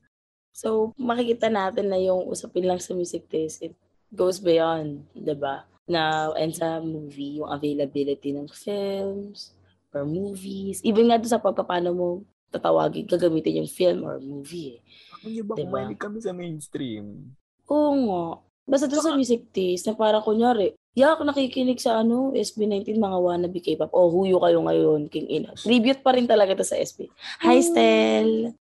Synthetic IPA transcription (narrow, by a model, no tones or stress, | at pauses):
sowmɐkɪkiːt̪ɐnaːt̪ɪnːɐjʊŋʔṵːsɐpɪnlɐŋsɐmjuːsɪk̚t̪ɪsɪt̪̚ | ɡowsbɪjond̪d̪ɪba | nɐʔɛ̰nd̪sɐmuːvijʊŋʔɐvejlɐbɪlɪt̪inɐŋfillms | ʔɔɹmuːvisʔibɛnŋad̪ʊnsɐpɐɡ̚pɐpaːnomo | t̪ɐt̪ɐwa̰ːɡɪ̰ŋɡɐɡɐmiːt̪ɪnjʊŋfilmʔo̰ɹmuːviɛ | ɲbd̪ɪbakɐmɛsɐmejnst̪ɾim | ʔoːŋaʔ | baːs̬t̪ɐd̪onsɐmuːs̬ɪk̚t̪isnɐpaːɾɐkoɲaːɾɛʔ | jakonɐkikɪnɪɡsɐʔɐno̞ʔɛsbinajnt̪inmɐŋawanɐbikɐjpap̚ʔohuːjʊkɐjoŋɐ̰jonkʊŋʔɪno̰t̪ɾiːbjʊt̪̚pɐɾɪnt̪ɐlɐɡad̪osɐ̰ʔɛ̰sbḭhajst̪ɛl